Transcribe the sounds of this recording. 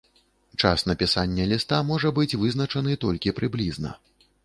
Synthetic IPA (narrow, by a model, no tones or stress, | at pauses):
t͡ʂasnɐpʲisanʲːɐlʲist̪amɔʐɐbɨt͡sʲvɨzn̪ɐt͡ʂɐnɨt̪ɔlʲkʲipɾɨblʲiznɐ̰